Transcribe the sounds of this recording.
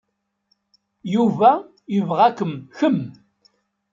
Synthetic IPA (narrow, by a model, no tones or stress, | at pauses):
juvæ | jəvʁækəmçəm